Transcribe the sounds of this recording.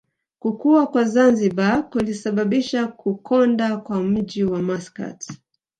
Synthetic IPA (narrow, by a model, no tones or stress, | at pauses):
kukuakwazanziɓakulisaɓaɓiʃakukʰɔndakwam̩ʄiwamaska̰t